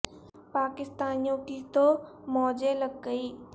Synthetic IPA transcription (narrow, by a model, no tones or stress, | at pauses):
paːkɪst̪aːnijõkit̪omɔːd͡ʒeləɡ̚ːəiː